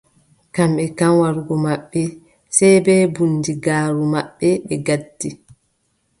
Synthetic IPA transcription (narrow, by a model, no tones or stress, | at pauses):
kamɓɛkamwaɾɡɔmaɓːɛ | sɛjbɛːbunːdiɡaːɾumaɓːɛɓɛɡadːi